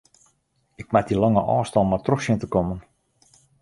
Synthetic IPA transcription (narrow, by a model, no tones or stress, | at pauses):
ɪk̚madilɔŋəʔɔːstɔlˠmatroxsjəntəkɔmən